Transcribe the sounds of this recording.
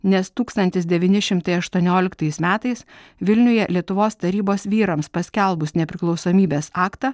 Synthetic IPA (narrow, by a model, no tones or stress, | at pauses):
nʲɛst̪uːkst̪ɐnʲt̪ʲɪsd̪ʲɛʋʲiːnʲɪʃʲɪmt̪ɐɪɐʃt̪uɔnʲoːlʲɪkt̪ɐɪsmʲæːt̪ɐɪsʋʲɪlʲnʲʊjɛlʲiɛt̪ʊʋoːst̪ɐɾʲiːboːsʋʲiːɾɐmspɐsʲkʲɛlˠbʊsnʲɛpʲɾʲɪklˠɒʊsoːmʲiːbʲeːsɑːkt̪ɑ